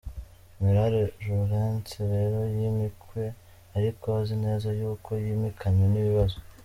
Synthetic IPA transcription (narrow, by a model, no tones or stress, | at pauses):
miɾaɾeʒuɣent͡siɾe̞ɾo̞jimikwe̞ | aɾikoβazine̞ːzajuːko̞jimikʰaɲweniβiβazo̞